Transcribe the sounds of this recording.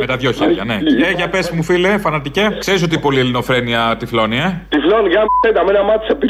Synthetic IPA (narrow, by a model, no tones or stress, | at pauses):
met̪ɐðʝo̞çeɾʝɐ̰ne̞eʝɐpespmufilefɐnɐt̪icekse̞ɾiso̞t̪ipo̞lielino̞fɾe̞niɐt̪iflo̞niet̪ifloniʝɐsend̪ɐmenɐmɐt̪i̥sepi